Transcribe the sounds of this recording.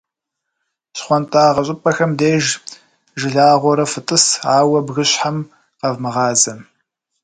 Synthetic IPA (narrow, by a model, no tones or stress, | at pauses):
ɕχʷɔntʼaːʁɐɕʼɪpʼɐxɐmdeːʒ | ʒɪɮaːʁʷɔɾɐfɨtʼɨsaːwɐbɣɨɕħam | qɐvmɨʁɑːzɐm